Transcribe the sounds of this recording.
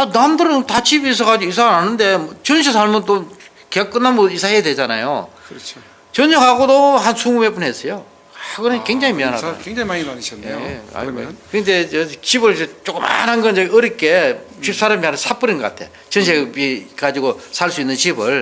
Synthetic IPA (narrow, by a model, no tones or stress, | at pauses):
anamdɯɾɯŋtat͡ɕibis̬ʰʌɡad͡ʑiɡoisʰananɯnde̞mt͡ɕɯnɕ̬ʰes̬ʰaɭmɯnt͈o | keak͈ɯnːanmʌisʰaɦejadwe̞d͡ʑana̰jo̰t͡ɕʰ | t͡ɕɯnɕʰeŋhaɡodohansʰuŋume̞p͈unɦes͈ʌjo | aɡɯnɯnkweŋd͡ʑaŋimianɦadainaiɕʌ̰ | kɯndeʌt͡ɕibɯɭt͡ɕet͡ɕ͈ok͈ɯma̰nhanɡʌnd͡ʑʌɯɾik͈e̞t͡ɕɥip̚s͈aɾamianɯnsʰap͈ɯɾinɡʌk͈a̰tʰe̞̰ | t͡ɕɯnɕʰebikad͡ʑiɡosʰaɭs͈uinːɯnt͡ɕibɯɭ